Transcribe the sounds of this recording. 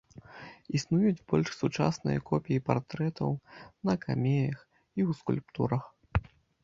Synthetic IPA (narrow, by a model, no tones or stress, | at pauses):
isnujud͡zʲbɔlʲʂsut͡ʂa̰snɨ̰jɐ̰kɔpʲijipart̪ɾɛt̪ɐ̰wnɐkamʲejɐx | iwskulʲpt̪uɾɐx